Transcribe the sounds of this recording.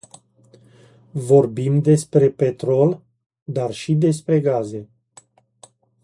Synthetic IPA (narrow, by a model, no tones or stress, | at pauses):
vo̞rbimd̪e̞spɾe̞pe̞t̪ɾo̞l | d̪arʃid̪e̞s̬pɾe̞ɡaze̞